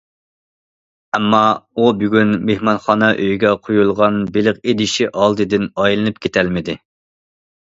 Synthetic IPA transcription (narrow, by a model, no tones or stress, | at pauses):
ɛmːɑubyɡʲynmehmɑnχɑːnɑʔøjɡʲɛqʰojulˠʁɑnbɪlɪqed̪ɪʃiʔɑlˠd̪ɨd̪ɪnɑjlˠɨnɨp̚kʲʰet̪ʰælmɪd̪ɪ